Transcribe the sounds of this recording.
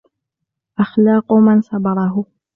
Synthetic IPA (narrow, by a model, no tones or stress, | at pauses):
ʔaxlɑːqʊmansɑbɑɾˤɑɦʊ